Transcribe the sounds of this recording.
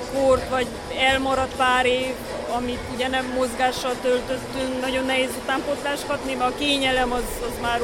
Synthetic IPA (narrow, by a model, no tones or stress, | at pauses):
kort̪ʋɒɟ | ɛlmɒɾɒt̪paːɾeːv | ɒmit̪uɟɛnɛmːo̞zɡaːʃːɒlt̪ølt̪ø̞st̪yŋknɒɟo̞nːɛɦeːzut̪aːmpo̞t̪laːʃkɒt̪nimɛɒkeːɲɛlɛmɒzɒzmaːr